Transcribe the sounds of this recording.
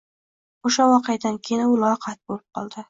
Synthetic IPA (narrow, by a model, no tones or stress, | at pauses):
oʃawɒqʰejad̪ankʲʰenɪʊlˠɒqʰat̪̚bolɪp̚qʰɒ̰lˠd̪ɪ